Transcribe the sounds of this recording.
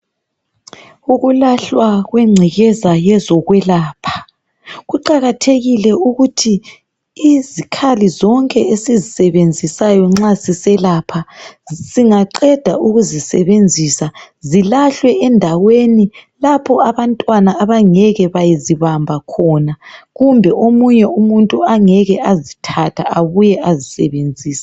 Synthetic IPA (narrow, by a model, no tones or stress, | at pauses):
uɣulaɬwaɣwɛŋ͡ǀʱiɣɛzajɛzɔɣwɛlaːpʰḁ | ɣuǃaɣatʰeɣilɛuɣutʰiː | zikʰalizɔŋkʼɛesizisɛβend͡zʱisajɔŋ͡ǁasisɛlapʰaziŋaǃɛd̥ʱauɣuzisɛβend͡zʱisazilaɬwɛɛndʱawenilapʰɔaβantʼwanaːβaŋɛɣɛβajiziβambʱakʰɔnaɣumbʱɛʔomuɲɛumuntʼuaŋɛɣɛazitʰatʰaaβujɛʔazisɛβend͡zʱiːsḁ